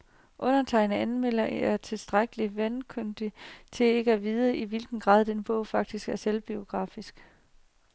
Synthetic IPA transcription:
ʔɔ̽nɐt͡sʰɑ̈ɪnəænmel̰ɐæɐt͡sʰe̝lsd̥ʁaɡ̥əliʋænkʰønd̥it͡sʰe̝e̝ɡ̥əæʋiːð̞ˠəʔiʋilɡ̥n̩ɡ̥ʁɑ̰̈ːð̰ˠd̥enb̥ɔʊ̰fɑ̈ɡ̥̚d̥isɡ̥æɐselb̥io̝ɡ̥ʁɑ̰̈ːfisɡ̥

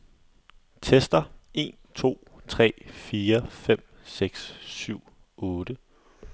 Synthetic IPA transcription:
t͡sʰesd̥ɐe̝̰ːn | t͡sʰo̝̰ː | t͡sʰʁɛ̰ːfiːɐfem̰ | seɡ̥sːyʊ̰ | ɔ̽ːɾ̥ə

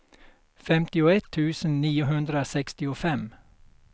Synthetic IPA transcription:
fɛmt̪ɪʊɛt̪ʰːʉ̟ːsənːiːʊɦɵnd̪ɾasɛkst̪ɪʊfɛm

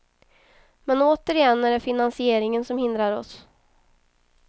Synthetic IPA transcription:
mɛnoːt̪əɾɪjɛnːæɖɛfɪnansɪeːɾɪŋənsɔmhɪnd̪ɾaɾɔs

